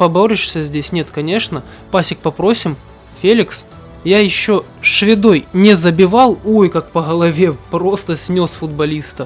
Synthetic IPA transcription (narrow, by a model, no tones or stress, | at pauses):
pɐboɾʲɪʂsʲəzʲdʲesʲnʲe̞t̪kɐnʲe̞ʂnə | pasʲɪk̚pɐpɾo̞sʲɪm | fʲelʲɪks | jajɪɕːo | sʂvʲɪd̪o̞jnʲɪzəbʲɪvɑlˠojkak̚pəɣəlˠɐvʲe̞pɾost̪əsʲnʲo̞sfʊd̪̚bɐlʲist̪ə